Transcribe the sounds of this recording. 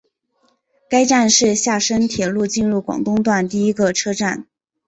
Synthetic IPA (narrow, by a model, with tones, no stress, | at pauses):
ka˥ɪʈ͡ʂa˥˧nʂɻ̩˥˧ɕja˥˩ʂə˥ŋt̪ʰjɛ˨˩lu˥˧t͡ɕi˥˧nɻu˥˩kwɑ̰˨˩ŋt̪ʊ˥ŋt̪wa˥˧nt̪i˥˩i˥ɡə˧ʈ͡ʂʰɤ˥ʈ͡ʂa˥˩n